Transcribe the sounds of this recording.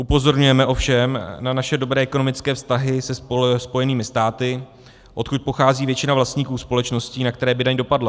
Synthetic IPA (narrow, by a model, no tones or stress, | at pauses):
ʔupo̞zo̞ɾɲujɛmɛʔo̞fʃɛmnanaʃɛdo̞bɾɛːɛko̞nomɪt͡skɛːfst̪aɦɪsɛspo̞jɛniːmɪst̪aːt̪ɪ | ʔo̞t̪kut̪̚po̞xaːziːvjɛt͡ʃɪnavlast̪ɲiːkuːspo̞lɛt͡ʃno̞sciːnak̚t̪ɛɾɛːbɪdaɲdo̞padla